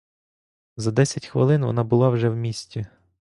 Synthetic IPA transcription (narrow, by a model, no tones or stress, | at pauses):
zɐd̪ɛsʲɐtʲxʋɪ̰lˠɪnʋɔ̰nɑbʊlˠɑwʒɛwmʲisʲtʲi